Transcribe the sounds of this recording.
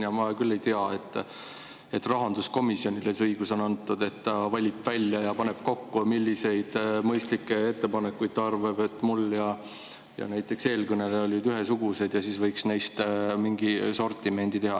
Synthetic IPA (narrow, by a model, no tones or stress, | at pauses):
jɑmɑkylːe̞jt̪iɑe̞t̪ːˑ | e̞t̪ːˑrɑɦɑnd̪usko̞misjonʲilesɤjɡ̥uso̞nɑnt̪ːˑud̪e̞t̪ːɑvɑlʲipvælʲjɑjɑpɑne̞b̥ko̞kːumilʲːise̞jd̪̥mɤjst̪likːe̞e̞t̪ːe̞pɑne̞kːujt̪ːɑrveb̥e̞t̪ːˑmuljɑ | jɑ̰næjt̪ːˑe̞kse̞ːlkɯneleolʲːid̪yɦe̞suɡ̥use̞d̪̥jɑsiːsvɤjksnejst̪miŋɡiso̞rt̪ːˑime̞nd̪̥it̪e̞ɦɑ